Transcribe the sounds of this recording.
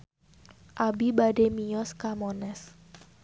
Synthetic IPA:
ʔabibademijɔskamɔnɛs

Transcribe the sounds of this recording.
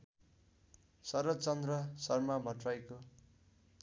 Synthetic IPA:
sʌɾʌt͡sʌnd̪rʌsʌrmabʱʌʈrajko

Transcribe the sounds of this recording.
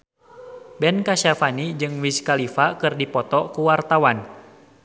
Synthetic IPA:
bɛnkaʃafanid͡ʒɨŋwiskalifakɨrdipɔt̪ɔkuwart̪awan

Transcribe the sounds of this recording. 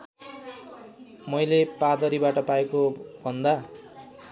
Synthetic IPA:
mʌjlepad̪ʌɾibaʈʌpaekobʱʌnd̪a

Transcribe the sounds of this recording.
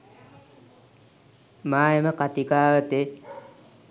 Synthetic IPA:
maːeməkat̪ikaːʋət̪e

